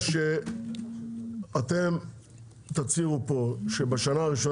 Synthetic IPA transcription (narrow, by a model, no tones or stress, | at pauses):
ʃe | at̪em | t̪at͡siʁupo̞ʃebaʃanaːʁiʃo